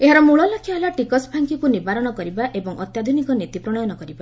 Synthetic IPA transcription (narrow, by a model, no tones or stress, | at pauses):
eɦaɾɔmuɭɔlɔkʰːjaɦelaʈikɔsbʱaŋkikunibaɾɔnɔkɔɾibaʔebɔŋʔɔt̪jad̪ʱunikɔnit̪ipɾɔɽ̃ɔjɔnɔkɔɾiba